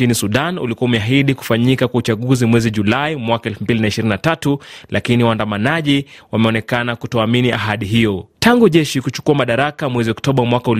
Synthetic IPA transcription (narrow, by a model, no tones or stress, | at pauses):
inisuɗanṵlikuaumɛaɦiɗiku̥faɲikakwaut͡ʃaɠuzimwɛziʄulaimwakaɛlfumbilinaiʃiɾininatatulʔakiniwaandamanaʄiwamɛɔnɛkanakutɔaminiʔaɦaɗiɦijɔtaŋɡuʄɛʃikut͡ʃu̥kuamaɗaɾakamwɛziɔktɔɓawamwakaul